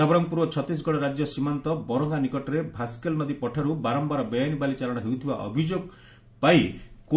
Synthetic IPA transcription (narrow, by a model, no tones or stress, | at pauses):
abɔɾɔŋɡpuɾwɔt͡ʃʰɔt̪is̬ɡɔɽɔɾad͡ʒjɔsimant̪ɔbɔɾɔŋɡanikɔʈɔɾebʱaskelmɔd̪ʱipɔʈʰaɾubaɾɔmbaɾɔbɔjanibalit͡ʃalɔɽ̃ɔɦewt̪ʰiba̰ʔɔ̰bʱid͡ʒoɡ | paiko